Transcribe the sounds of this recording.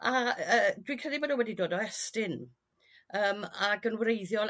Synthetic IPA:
aəːd̥wikʰr̥ɛlˠibodəwɛdidoːdɔɛstɪn | əːmaɡənwrejðjɔlˠ

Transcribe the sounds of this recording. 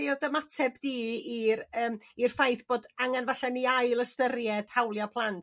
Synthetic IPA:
jɔdəmatʰɛbdiːiɾəːmir̥fajθb̥oːdaŋanvaɬɛniajlˠəstəɾjɛd̥hawlˠjapʰlˠantʰ

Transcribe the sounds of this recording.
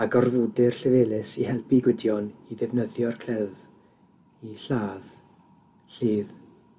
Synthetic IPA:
aɡɔrðudɪrɬɪveːlɪsihɛlˠpiɡwɪdjɔniðɪvnəðjɔrkʰl̥ɛv | iɬaːð | ɬiːð

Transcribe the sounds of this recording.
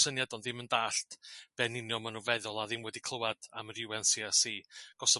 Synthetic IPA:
sənjadɔnðɪməndaːɬtb̥ɛnɪnjɔmanuvɛðʊlˠaðɪmwɛdikʰl̥ˠəwad̥aməɾjuwɛnsiasiːɡ̥ɔsɔ

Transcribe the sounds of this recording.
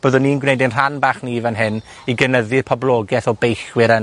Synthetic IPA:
b̥oːðʊnːinɡwnejdɪnr̥anbaːχnivanɦɪn | iɡənəðɨrpʰɔblˠɔɡɛθɔbejχwɪɾən

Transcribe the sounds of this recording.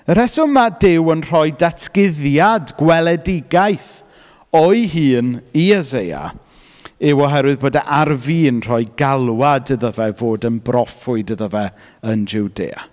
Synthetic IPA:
əɾɛsʊmadɪwənr̥ɔɨdatʰkɪðjadɡwɛlˠɛdɪɡajθ | ɔɨɦɨːniɛzeja̰ | ɪwɔɦɛɾwɨðboːdaʔarviːnr̥ɔɨɡalˠwadəðəvɛvoːdənbrɔfʊɨdəðəvɛ | ənd͡ʒɪwdḛːa̰

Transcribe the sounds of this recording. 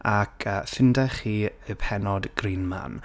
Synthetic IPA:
akʰəfɪndɛχiːəpʰɛnɔdɡ̥riːnma̰n

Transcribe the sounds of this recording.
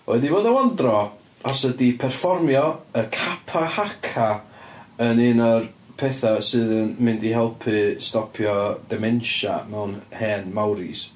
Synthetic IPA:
oɛdivoːdəwɔndrɔ | ɔsədipʰɛrfɔrmjɔəkʰapʰahakʰa | ənɪnɔrpʰɛθasɨːðənmɨndiɦɛlˠpʰɨstɔpʰjɔd̥ɛmɛnʃa̰mɛwnhɛːnmawɾḭs

